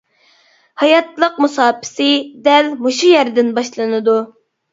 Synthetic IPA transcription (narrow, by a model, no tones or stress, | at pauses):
hɑjɑt̪lˠəqmusɑːpʰɪ̥sɪd̪ɛlmoʃujɛɾd̪ɪnbɑʃlˠɨnɨd̪u